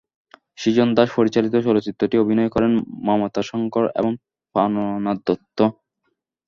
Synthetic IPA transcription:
ʃid͡ʑond̪aʃpoɾit͡ɕalit̪oʃɔlot͡ɕit̪ːɾoʈiobʱinɔekɔɾenmɔɦmot̪aʃɔŋkoɾḛboŋ | fanonad̪ːot̪ʰːo

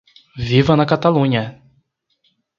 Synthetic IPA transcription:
vivɐnɐkat̪alũɲɐ

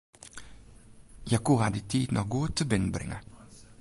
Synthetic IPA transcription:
jakuɦad̪it̪ʰiːd̪nɔɡuːt̪ʰɪbɪn̩bɾɪ̰ŋə

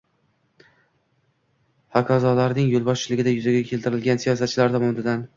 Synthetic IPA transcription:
hakʰɒzɒlaɾnɪŋjolˠbɒʃt͡ʃʰɪlɪɡʲɪd̪ajʊzaɡʲakʲʰe̞lt̪ʰɪɾɪlˠɡʲansijɒsat̪̚t͡ʃʰɪlaɾt̪ʰɒmɒnɪd̪an

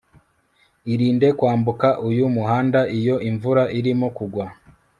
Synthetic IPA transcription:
iɾiːnde̞kwaːmbukaʔujumuɦaːndaʔijo̞ʔiɱvuɾaʔiɾimokuɡwa

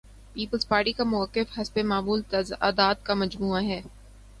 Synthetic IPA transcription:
piːpəlzpaːɾʈikamʊəkːɪfhɐsbemaːmuːlt̪ɐza̰ːd̪aːd̪̚kamɐd͡ʒmuːaɦɛː

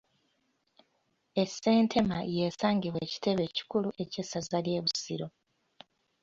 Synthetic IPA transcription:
e̞se̞ːntʰe̞majeːsaːŋɟiβweːci̥te̞βe̞ːci̥kuluʔe̞ce̞sazalje̞ːβusiɾo̞

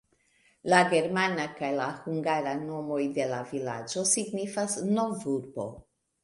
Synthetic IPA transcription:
laɡe̞ɾmanakajlahuŋɡaɾano̞mo̞jde̞lavila̰d͡ʒo̞siɡnifasnovuɾbo̞̰

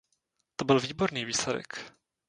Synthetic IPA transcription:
t̪obɪlviːbo̞ɾniːviːslɛdɛ̰k

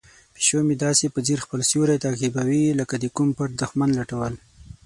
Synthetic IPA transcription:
pi̥ʃomid̪ɑsepəziɾxpəlsjuɾat̪akibawiləkad̪əkumpaʈ̚d̪ʊxmanlaʈawəl

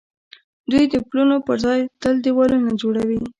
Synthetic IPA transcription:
d̪ujd̪əplunopəɾzɑjt̪əld̪iwɑlunad͡ʒoɽawi

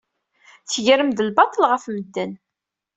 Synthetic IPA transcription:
θəʝəɾəmðəlbɑt̪ˤəlʁəfməd̪ːən

